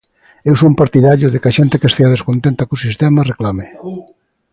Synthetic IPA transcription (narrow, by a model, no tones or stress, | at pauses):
ewsompaɾt̪iðaʎʊðekaʃent̪ekest̪eaðeskont̪ent̪akusist̪ɛmareklame